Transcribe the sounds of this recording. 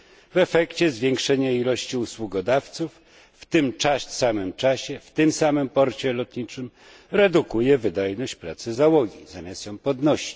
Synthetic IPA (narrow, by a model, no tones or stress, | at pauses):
vɛfɛkt͡ɕɛzvʲjɛŋkʂɛɲailɔɕt͡ɕiuswuɡɔd̪aft̪sufː | t̪ɘmt͡ʂasamɘmt͡ʂaɕɛft̪ɘmsamɘmpɔɾt͡ɕɛlɔt̪ɲit͡ʂɘm | ɾɛd̪ukujɛvɘd̪ajnɔɕt͡ɕpɾat̪sɘzawɔɡʲḭzamʲjast̪jɔ̃w̃pɔd̪nɔɕi̥t͡ɕ